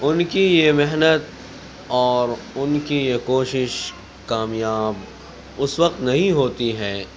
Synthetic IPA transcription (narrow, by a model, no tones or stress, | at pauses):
ʊnkijemɛɦnət̪̚ | ɔːɾʊnkijekoːʃɪʃ | kaːmjaːb | ʊsʋɐqt̪nɐɦĩɦoːt̪iɦɛː